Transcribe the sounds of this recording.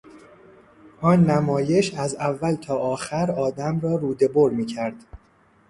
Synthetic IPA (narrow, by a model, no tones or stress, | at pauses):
ʔɒːnːæmɒːje̞ʃæzævːælt̪ʰɒːʔɒːxæɾɒːd̪æmɾɒːɾuːd̪e̞boɾmiːcʰæɾd̪̥